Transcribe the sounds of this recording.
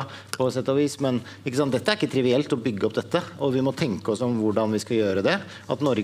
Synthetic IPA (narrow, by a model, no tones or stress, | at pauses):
pʰɔsɛt̪ːɑʋiːsmɛn | ɪkːəsɑnt̪d̪ɛt̪ːəæɾɪkːət̪ʰɾɪʋɪɛlt̪ɔbʏɡːəɔp̚d̪ɛt̪ːəɔʋɪmɔt̪ʰɛŋkəɔsɔmʋʊɖɑnʋɪskɑjøːɾəd̪ɛ | ʔɑt̪nɔɾɡ